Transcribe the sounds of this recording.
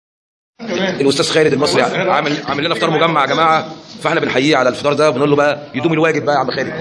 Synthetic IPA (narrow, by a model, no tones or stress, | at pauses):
elʔost̪æːzxæːɾed̪elmɑsˤɾijaniʕamelʕamelːænæft̪ˤɑːɾˤmoɡæmːaʕɡæmaːʕafæeħnæbenħajːiːʕalælfet̪ɑːɾˤd̪æwbenʔolːobæʔæjed̪uːmilwæːɡed̪̚bæʔæʕamːælxæːɾed̪